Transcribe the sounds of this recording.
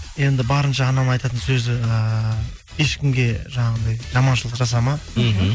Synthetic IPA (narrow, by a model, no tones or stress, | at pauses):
je̞nd̪ɪbɑɾənʃɑːnɑnɑjt̪ɑt̪ənsɵzɪə | e̞ʃkʲɪmɡʲe̞ʒɑɴɑʁənd̪ɑjʒɑmɑnʃəlˠəqʒɑs̬ɑmɑ